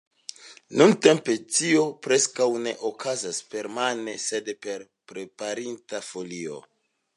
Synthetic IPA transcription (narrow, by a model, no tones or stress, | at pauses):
nunte̞mpe̞tio̞pɾe̞skawne̞ʔokʰazaspe̞ɾmane̞se̞dpe̞ɾ | pɾe̞paɾintafo̞lio̞̰